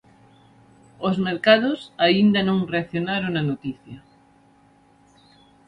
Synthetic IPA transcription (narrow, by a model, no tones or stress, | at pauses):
ozmeɾkaðosaind̪anõŋreaθjonaɾonanot̪iθja